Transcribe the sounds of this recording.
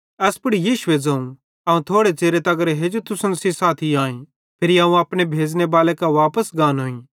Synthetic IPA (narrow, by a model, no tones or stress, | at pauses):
ɛːspʊɽijiːʃʊed͡zaːũ | aːũt̪ʰoːɽet͡ʃeːɾet̪ɐɡəɾeɦed͡ʒot̪ʊsənsisaːt̪ʰiaːĩ | pʰɪɾiaːũɐːpɽ̃ebʱeːd͡ʒnebaːlekaʋaːpəsɡaːnɦoːĩː